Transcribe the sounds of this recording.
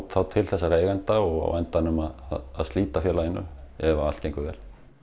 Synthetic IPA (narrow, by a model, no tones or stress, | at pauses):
t̪θawt̪ʰɪlθɛsːaɾeːjɣant̪aɔɣa̰a̰jnt̪anʏmaðaðaðst̪liːt̪afjɛːlaɪnːʏ̰ɛvaal̥t̪cejŋkʏvɛ̰ːl̥